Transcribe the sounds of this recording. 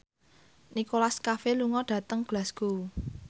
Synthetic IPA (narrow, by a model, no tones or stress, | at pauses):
nikolaskafeluŋɔɖ̥ä̤t̪əŋb̥lasɡ̥uu